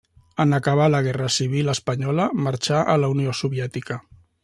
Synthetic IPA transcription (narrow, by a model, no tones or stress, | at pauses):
ənəkəβaləɣ̞ɛrəsiβ̞iləspəɲɔləmaɾt͡ʃaʔələuniosuβjɛt̪ikə